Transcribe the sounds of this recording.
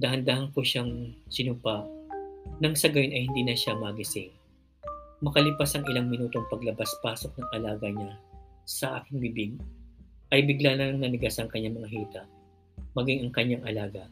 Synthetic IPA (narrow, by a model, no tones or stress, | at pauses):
d̪ɐɦɐnd̪aːhɐnkoʃaŋsɪnupaʔ | nɐŋsɐɡɐjo̞nʔɐjhɪnd̪iːnɐʃamɐɡɪsɪŋ | mɐkɐlɪpasɐŋɪlaŋmɪnuːt̪o̞ŋpɐɡlɐbaspaːso̞k̚nɐŋʔɐlaːɡɐɲasɐʔa̰ːkɪŋbɪbɪɡ̚ʔɐjbɪɡlanɐɐŋnɐnɪɡasɐŋkɐɲːamɐŋɐɦiːt̪ɐʔ | mɐɡiŋɐŋkɐɲːaŋɐlaːɡɐ